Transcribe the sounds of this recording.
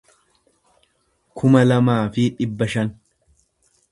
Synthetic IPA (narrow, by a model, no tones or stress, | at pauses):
kʰʊmɐlɐmaːfɪᶑɪbːɐʃɐn